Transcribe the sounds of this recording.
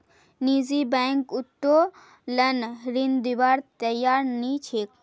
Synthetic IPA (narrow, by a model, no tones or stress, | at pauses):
niːzibɛːŋkut̪ːoː | lɐnɾind̪ibaːɾt̪ɐjaːɾnit͡ʃʰeːk